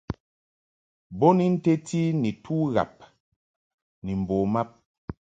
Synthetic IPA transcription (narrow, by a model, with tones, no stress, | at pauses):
bɔ˦ni˨n̩˦te˦ti˦ni˨tʰu˦ɣa̰˨p̚ | ni˨m̩˨bɔ˨ma˦p̚